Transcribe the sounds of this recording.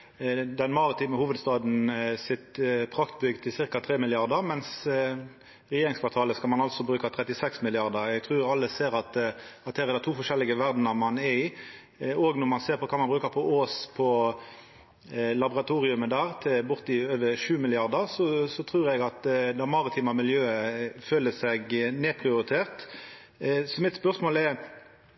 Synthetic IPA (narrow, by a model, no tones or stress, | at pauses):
d̪ɛnmɑʁɪt̪ʰiːməhuːʋəd̪st̪ɑːd̪n̩sɪt̪pʰʁɑkt̪bʏɡd̪ʰɪsɪʁkɑt̪ʰʁeːmɪlɪɑʁd̪əʁmɛns | ʁɛjeːɾɪŋskʰfɑːt̪ʰɑːləskɑlmɑnɑlt̪sɔbɾʉːkɑt̪ʰʁɛt̪ɪsɛksmɪlɪɑʁd̪əɾɛɡ̚t̪ʰʁʉːjɑlːəseːɾɑt̪ɑt̪̚hæːʁɛd̪ɛt̪ʰuːfɔʂɛlːɪɡəʋæʁd̪nəmɑnɛɾiː | oːɡnɔʁmɑnseːɾpʰɔkʰɑːmɑnbɾʉːkəpʰɔʔoːspʰɔ | lɑbɔʁɑt̪ʰuːʁɪʉməd̪æːʁt̪ʰɪlbʊʁt̪ɪøːʋəɾʂʉːmɪlɪɑʁd̪əʁsɔsɔt̪ʰʁuːɾɛɡɑt̪d̪ɛmɑɾɪt̪ʰiːmɑmɪljøːəføːləsɛɡneːpʰʁɪʊɾɪt̪ʰeːʁt̪ | sɔmɪt̪spœʁsmoːlɛɾ